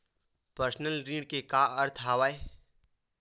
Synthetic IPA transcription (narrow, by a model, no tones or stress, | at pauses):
pəɾsnəlɾiːɽkekaəɾt̪ʰɦaːʋaːe